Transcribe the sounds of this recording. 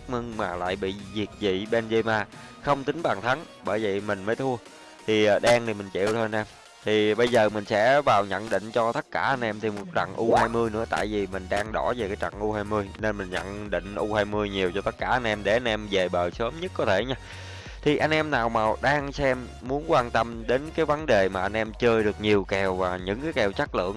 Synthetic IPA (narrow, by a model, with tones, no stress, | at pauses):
k̚mɨ˧ŋmaː˨˩la̰ː˧˨jɓḭ˧˨zi˨˩t̚zḭ˧˨ɓe˧˩nze˧maː˧˩ | xə˧wŋ͡mt̪ï˨˦ŋ̟ɓaː˨˩nt̪ʰa˨˦ŋ | ɓəː˧˩jvḭ˨˩mï˨˩ŋ̟məː˨˦jt̪ʰu˧ə | t̪ʰi˨˩ʔəː˨˩ɗaː˧ŋt̪ʰi˨˩mï˨˩ŋ̟t͡ɕḭ˧˨əwt̪ʰo˧a˧nʔɛ˧m | t̪ʰi˨˩ɓə˧jzəː˨˩mï˨˩ŋ̟sɛ̰˧˥vaː˨˩wɲə̰˧˨nɗḭ̈˧˨ŋ̟t͡ɕɔ˧t̪ə˦˥t̚kaː˧˩ʔa˧jn̟ʔɛ˧mt̪ʰi˨˩mo˨˩t̚t͡ɕa̰˧˨ŋʔu˧haː˧jmɨ˧əjnɨ̰˧˥ət̪a̰ː˧˨jvi˨˩mï˨˩ŋ̟ɗaː˧ŋɗɔ˧˩ve˨˩kaː˨˦jt͡ɕa̰˧˨ŋʔu˧haː˧jmɨ˧əjne˧nmï˨˩ŋ̟ɲə̰˧˨nɗḭ˧˨ŋ̟ʔu˧haː˧jmɨ˧əjɲi˨˩əwt͡ɕɔ˧t̪ə˦˥t̚kaː˧˩ʔa˧jnʔɛ˧mɗe˧˩ʔa˧nʔɛ˧mze˨˩ɓəː˨˩səː˨˦mɲə˦˥t̚kɔ˨˦t̪ʰe˧˩ɲaː˧ | t̪ʰi˨˩ʔa˧jŋ̟ʔɛ˧mnaː˨˩wmaː˨˩wɗaː˧ŋsɛ˧mːu˨˦ənkwaː˧nt̪ə˧mɗe˨˦nkaː˨˦jvə˨˦nɗe˨˩maː˨˩ʔa˧nʔɛ˧mt͡ɕəː˧jɗɨ˨˩ək̚ɲi˨˩əwkɛ˨˩wvaː˨˩ɲɨ̰˧˥ŋkaː˨˦jkɛ˨˩wt͡ɕa˦˥t̚lɨ̰˧˨əŋ